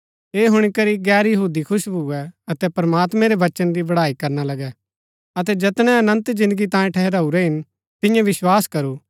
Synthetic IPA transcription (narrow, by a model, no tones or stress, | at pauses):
eːɦʊɽ̃ikɐɾiɡɛːɾjɐɦuːd̪ikʰʊʃbʱʊɛɐt̪ɛpɾɐmaːt̪mɛ̃ɾeʋɐt͡ʃənd̪ibɐɽaːikɐɾnalɐɡɛ | ɐt̪̬ɛd͡ʒɐt̪ñɛ̃ɐnə̃nt̪d͡ʒɪ̃nd̪əɡit̪ãːjẽʈʰɛɦɾaːuɾɛɦɪn | t̪ɪ̃jãʋɪswaːskɐɾuː